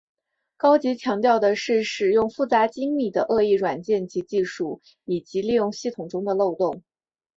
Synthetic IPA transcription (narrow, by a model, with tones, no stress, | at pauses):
kɑ˥ʊt͡ɕi˧˥t͡ɕʰjɑ˧˥ŋt̪jɑ˥˩ʊd̪ə˩ʂɻ̩˥˩ʂɻ̩˨˩jʊ˥˧ŋfu˥˩t͡sa˧˥t͡ɕi˥ŋli˨˩d̪ə˦ʔɤ˥˧i˥˩ɻwa˨˩nt͡ɕjɛ˥˩nt͡ɕi˧˥t͡ɕi˥˧ʂu˥˩ | i˨˩t͡ɕi˧˥li˥˧jʊ˥˧ŋɕi˥˩t̪ʰʊ˨˩ŋʈ͡ʂʊ˥ŋd̪ə˨lo˥˧ʊt̪ʊ˥˩ŋ